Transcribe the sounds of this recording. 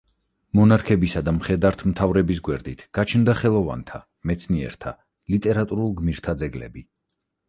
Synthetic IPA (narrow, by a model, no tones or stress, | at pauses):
mɔnaɾkʰɛbisad̪amχɛd̪aɾt̪ʰmt̪ʰavɾɛbis̬ɡwɛɾd̪it̪ʰɡ̥at͡ʃʰnd̪aχɛlˠɔva̰nt̪ʰa | mɛt̪sʰniɛ̰ɾt̪ʰa̰ | lit̪ʼɛɾat̪ʼuɾulˠɡmiɾt̪ʰad̪zɛɡlɛ̰bi